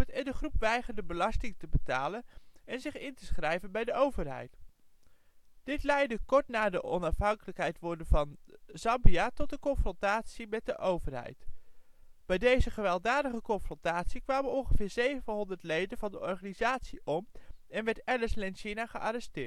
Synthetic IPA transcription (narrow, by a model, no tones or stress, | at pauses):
tɛndəχrupʋɛjχəndəbəlɑstɪŋtəbətaːlənɛnzɪχɪntəsχrɛjvənbɛjdəowvəɹɦɛ̰jt | d̥ɪtlɛjdəkɔɹtnaːɹdəʔɔnɑfɦɑŋkələkɦɛjtʋɔɹdəvɑnzɑmbiatɔt̚dəkɔnfrɔntaːtsimɛt̚dəʔowvəɹɦɛ̰jt | b̥ɛjdejzəχəʋɛlˠdaːdəχəkɔnfrɔntaːtsikʋaːmənɔŋχəvɪːɹzejvənɦɔndəɹtlejdənvɑndəʔɔɹχaːnizaːtsiʔɔmɛnʋɛɹtɛɹləslɛnʃinaχəʔaɾɛstɪːɹt